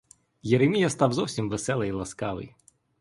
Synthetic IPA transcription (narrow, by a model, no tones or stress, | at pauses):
jeɾemʲijɐst̪ɑwzɔwsʲimʋesɛlˠɐjlˠɐskɑʋɪ̰j